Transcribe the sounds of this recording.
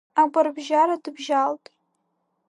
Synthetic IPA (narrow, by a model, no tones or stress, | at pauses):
aɡʷarbʒaɾadɨbʒaltʼ